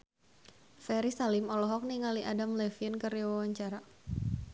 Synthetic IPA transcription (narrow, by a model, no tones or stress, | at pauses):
fɛɾisalɪmɔlɔɦɔk̚niŋaliʔadamlɛfiənkəriwawaɲt͡ʃaɾa